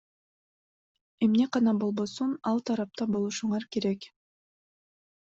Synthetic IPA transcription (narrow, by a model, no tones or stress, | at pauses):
e̞mne̞qɑnɑbo̞lˠbo̞sunɑlˠt̪ʰɑɾɑp̚t̪ɑbo̞lˠuʃuɴɑɾke̞ɾe̞k